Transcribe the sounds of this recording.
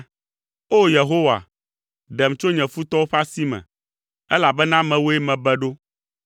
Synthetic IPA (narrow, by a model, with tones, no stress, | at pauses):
o˦je˨ɦo˦wa̰˨ | ɖɛ˨m˨t͡ʃo˦ɲɛ̃˨fu˦t̪ɔ˦wo˦ɸa˦si˦mɛ̰̃˨ | ɛ˦la˨bɛ˦nã˦mɛ̃˨wo˦e˦mɛ̃˨bɛ˦ɖo˦